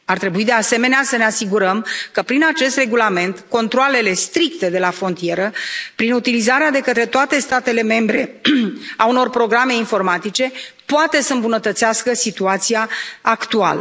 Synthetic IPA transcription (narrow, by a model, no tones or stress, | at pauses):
art̪ɾe̞buid̪e̞ase̞me̞neasəne̞asiɡuɾəmkəpɾinat͡ʃe̞st̪re̞ɡulame̞nt̪ko̞nt̪ɾoale̞le̞st̪ɾikt̪e̞d̪e̞lafɾo̞nt̪ije̞ɾəpɾinut̪ilizaɾead̪e̞kət̪ɾe̞t̪oat̪e̞st̪at̪e̞le̞me̞mbɾe̞ | auno̞rpɾo̞ɡɾame̞info̞rmat̪it͡ʃe̞poat̪e̞səɨmbunət̪ət̪seaskəsit̪uat̪sijaːkt̪ua̰lə